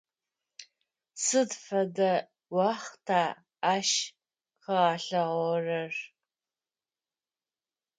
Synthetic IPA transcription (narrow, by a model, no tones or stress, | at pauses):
sɨdfɐdɐ | wɑχtʰaː | ʃ | qəʁɑːɬɐʁɔrɐr